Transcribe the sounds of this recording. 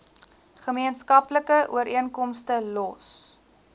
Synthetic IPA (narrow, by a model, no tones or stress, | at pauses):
χəmiənskɐpləkəʔṵəɾiənkɔmstəlɔs